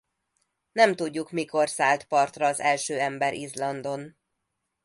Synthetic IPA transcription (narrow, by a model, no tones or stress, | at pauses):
nɛmt̪uɟːukmiko̞rsaːlt̪pɒrt̪rɒːzɛlʃøːɛmbɛɾʔizlɒnd̪o̞n